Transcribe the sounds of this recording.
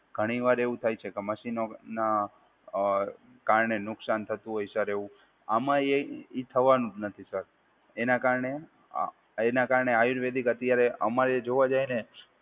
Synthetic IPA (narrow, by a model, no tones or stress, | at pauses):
ɡ̥ʱəɽ̃iʋaɾeʋũt̪ʰajt͡ʃʰekeməʃinona | kaɾɳenʊksant̪ʰət̪ũɦojsəɾeʋũ | amãeit̪ʰəʋanũnət̪ʰisəɾ | enakaɾɳḛ | enakaɾɳeajuɾʋed̪ikət̪jaɾeə̰maɾed͡ʒoʋad͡ʒajne